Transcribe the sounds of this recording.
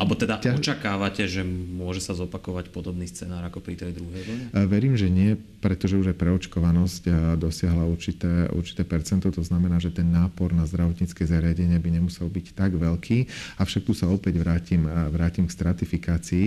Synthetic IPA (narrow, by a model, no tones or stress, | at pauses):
alɛbɔt̪ɛd̪aʔ̪ɔt͡ʃakaːʋacɛʒɛmʊɔʒɛsazɔpakɔʋacpɔd̪ɔbniːst͡sɛnaːɾakɔpɾit̪ɛjd̪ɾuɦɛjʋɛʋɛɾiːmʒɛɲɪɛ | pɾɛt̪ɔʒɛuʒajpɾɛɔt͡ʃkɔʋanɔscd̪ɔsɪaɦlauɾt͡ʃit̪ɛːṵɾt͡ʃi̥t̪ɛːpɛɾt͡sɛnt̪ɔt̪ɔznamɛnaːʒɛt̪ɛnːaːpɔɾnazd̪ɾaʋɔt̪ɲit͡skɛzaɾɪaɟɛɲɪɛbiɲɛmusɛlbict̪aɡʋɛʎkʰiːafʃak̚t̪usaɔpɛɟʋɾaːcimʋɾaːcimkst̪ɾat̪ifikaːt͡sii